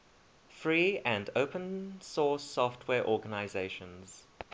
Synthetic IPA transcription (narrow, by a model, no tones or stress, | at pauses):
fɹiːæ̃ndəʊpə̃nsɔˑsɔftʰwɛːɹʔɔːɡənaɪzeɪʃə̃nz̥